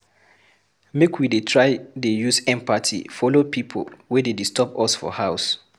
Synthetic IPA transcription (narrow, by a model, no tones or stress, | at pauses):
mekʰwidetʰɹajdejusɛ̃mpatʰḭfɔlopʰipʰo̰lwɛdedistɔpɔsfɔ̰haʊs